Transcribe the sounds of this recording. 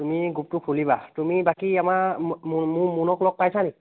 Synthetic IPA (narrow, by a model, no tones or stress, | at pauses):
tumiɡup̚tʊkʰulibatumibakiamaɹmʊmunɔklɔk̚pajsani